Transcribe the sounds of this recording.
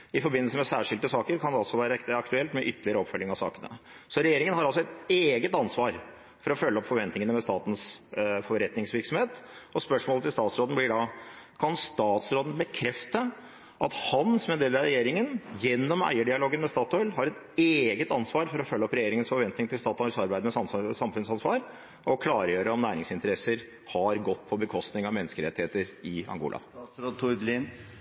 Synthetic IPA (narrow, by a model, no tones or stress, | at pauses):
ɪfɔɾbɪnəlsəmɛsæːʂɪld̪əsɑːkəɾkʰɑnd̪ɑlsɔʋæːɾəɑkt̪ʉɛlt̪mɛʔʏt̪ːəlɪəɾəɔpfœlːɪŋɑsɑ̰ːkənə̰ | sɔɾɛjeːɾɪŋənhɑɾɑlsɔɛt̪eːɡət̪ɑnsʋɑːɾ | fɔɾɔfœlːɔpfɔɾʋɛnt̪nɪŋənəmɛst̪ɑ̰ːt̪n̩sfɔɾɛt̪nɪŋsʋɪɾksɔmheːt̪ʔɔspœʂmoːlət̪ʰɪlst̪ɑːt̪sɾoːd̪n̩blɪɖɑ | kʰɑnst̪ɑːt̪sɾoːd̪ən̩bəkʰɾɛft̪ə | ʔɑt̪hɑnsmeːd̪eːlɑɾɛjeːɾɪŋənjɛnːɔmæ̰ɪəɖɪɑloːɡənmɛst̪ɑːt̪ɔʏlɦɑɾɛt̪ | eːɡət̪ɑnsʋɑːɾfɔɾɔfœlːəɔpɾɛjeːɾɪŋənsfɔɾʋɛnt̪nɪŋt̪ʰɪlst̪ɑːt̪ɔʏlsɑɾbæɪmɛsɑsɑmfʉnsɑnsʋɑːɾ | ʔɔkʰlɑːɾəjøːɾəɔmnæːɾɪŋsɪnt̪əɾɛsəɾ | hɑɾɡɔt̪ːpʰɔbəkʰɔst̪nɪŋɑʋmɛnːəskəɾɛt̪ːɪheːt̪əɾɪɑ̰ŋɡṵːlɑ̰ɾoːt̪ʰʊd̪lɪn